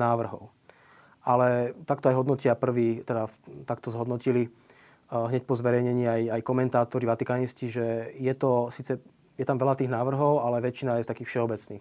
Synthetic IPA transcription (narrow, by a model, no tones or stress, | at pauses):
naːʋr̩ɦɔ̰ʊ | ʔalɛt̪akt̪ɔajɦɔd̪nɔcɪapr̩ʋiːt̪ɛd̪at̪akt̪ɔzɦɔd̪nɔcili | ɦɲɛc̚pɔzʋɛɾɛjɲɛɲiːajajkɔmɛnt̪aːt̪ɔɾiʋat̪ikaːnisciʒɛjɛt̪ɔsiːt͡sɛ | jɛt̪amʋɛlat̪iːɣnaːʋr̩ɦɔʊalɛʋɛt͡ʃinajɛst̪akiːxfʃɛɔbɛt͡sniːx